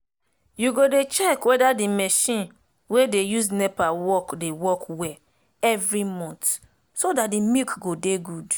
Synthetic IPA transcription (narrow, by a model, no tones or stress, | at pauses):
juɡodet͡ʃɛkwedadimɛʃĩn | wedejuznɛpawɔkdewɔkwɛ | ɛvɾimɔ̃nt | sodat̚dimikɡodeɡud